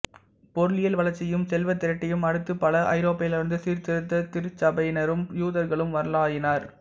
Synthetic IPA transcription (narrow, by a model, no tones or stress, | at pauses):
pɔɾɯlɪjɐlʋɐɭɐɾt͡ʃːɪjɯmsɛlʋɐt̪ːɪɾɐʈːɪjɯmɐɽɯt̪ːɯpːɐlɐʔɐ̰ɪɾoːpːɐjɪlɪɾɯnd̪ɯsiːɾt̪ɪɾɯt̪ːɐt̪ɪɾɯt͡ʃːɐbɐɪnɐɾɯmjuːðɐɾɣɐɭɯmʋɐɾɐlaːjɪnaːɾ